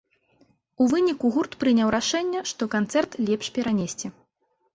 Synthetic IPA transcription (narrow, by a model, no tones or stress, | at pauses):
uvɨnʲikuɣurt̪pɾɨnʲawɾaʂɛnʲːɛʂt̪ɔkant̪sɛrt̪lʲɛpʂpʲɛɾanʲesʲt͡sʲɛ